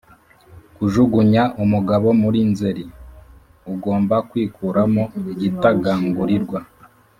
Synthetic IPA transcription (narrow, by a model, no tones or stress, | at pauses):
kuʒuɡuɲaʔumuɡaβo̞muɾinzeɾi | uɡo̞ːmbakwiːkuɾamoiɟitaɡaːŋɡuɾiɾɡwa